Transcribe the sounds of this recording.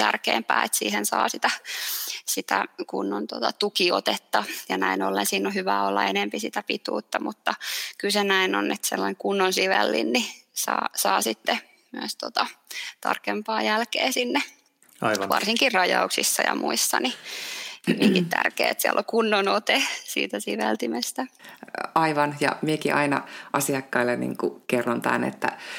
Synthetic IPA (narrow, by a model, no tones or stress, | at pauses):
t̪ærkḛːmpæːet̪sḭːhensɑːsit̪æ | sit̪ækunːont̪ot̪ɑt̪ukiot̪et̪ːɑjɑnæinolːensiːnːohyʋæːolːɑenempisit̪æpit̪ṵːt̪ːɑmut̪ːɑkylsenæinonːet̪selːɑieŋkunːonsiʋelːinːisɑːsɑːsit̪ːe | myæst̪ot̪ɑt̪ɑ̰rkempɑːjælkeːsinːe | ʋɑrsiŋkirrɑjɑuksisːɑjɑmuisːɑnijmieŋkit̪t̪æ̰rkḛːet̪siælʔokunːonot̪esḭːt̪æsiʋelt̪imest̪æ | ɑiʋɑnjɑ̰miekiʔɑinɑ̰ʔɑsiɑkːɑilːennḭːŋkukerːont̪æ̰nḛt̪ːæ̰